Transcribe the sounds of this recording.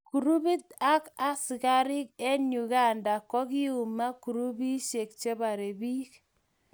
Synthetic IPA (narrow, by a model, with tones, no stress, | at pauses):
ku˨ɾu˦bi˦t̪a˦ka˦sɪ˨ka˦ɾi˦kɛ˦ɲu˨ɣa˦˨nda˨kɔ˦ki˦u˨ma˦ku˨ɾu˦bi˦ʃe˨k̚t͡ʃe˦ba˨ɾe˨bi˦k